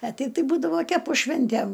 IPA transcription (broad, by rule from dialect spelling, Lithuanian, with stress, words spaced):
ɐ ˈtʲɛɪp tɐɪ ˈbuːdɐʋoː ˈkʲæːpʊ ˈʃʲʋʲɪnʲtʲæm